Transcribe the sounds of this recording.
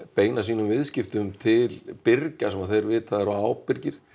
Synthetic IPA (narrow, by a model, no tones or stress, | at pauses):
peːjnasiːnʏmvɪðscɪft̪ʏʏmt̪ʰɪlpɪrcasɛmaðθejɾvɪːt̪ʰaðɛɾaaːwpɪɾcɪɾ̥